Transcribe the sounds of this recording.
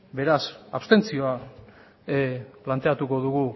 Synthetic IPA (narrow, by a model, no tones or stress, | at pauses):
be̞ɾasapst̪e̞nt͡sio̞a | plant̪e̞at̪uko̞ðuɣu